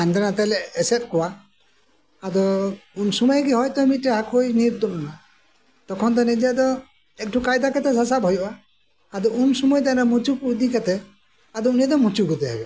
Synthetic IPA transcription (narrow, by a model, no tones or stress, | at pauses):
and̪anat̪ɛlɛːsɛt̪̚kɔwa | ad̪ɔunsumɔjɡiɦɔjt̪ɔmiʈɛɦakʰojniɾt̪unna | t̪ɔkʰɔnd̪ɔnɛd͡ʒad̪ɔ | ɛk̚ʈʰukajd̪akat̪ɛsasabɦɔjɔʔaː | d̪ɔunsumɔjt̪aɾɔmut͡ʃukud̪ikat̪ɛ | ad̪ɔuniad̪ɔmut͡ʃukut̪ɛɦɛ̰jɔ